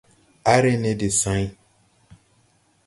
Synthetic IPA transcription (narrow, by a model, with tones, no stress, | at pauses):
a˦ɾe˦ne˨de˨sã˨˦i˦